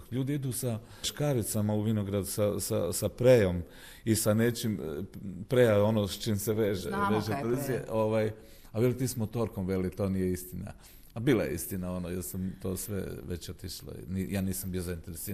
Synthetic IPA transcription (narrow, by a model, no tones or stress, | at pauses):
ʎuːd̪iid̪uːsa | ʃkaɾit̪samauʋinoɡɾad̪usasasapɾejom | isane̞t͡ʃimpɾejao̞nost͡ʃiːmseʋeʒeʋeːʒet̪ɾzieʔoʋaj | aʋjelit̪iːsmot̪o̞ɾkomʋe̞lit̪o̞ːnijeist̪ina̰ | abiːla̰jeist̪inao̞nojeɾsamt̪oːsʋḛʋḛt͡ɕot̪iʃlo̰nijaːniːsambijozaint̪eɾesi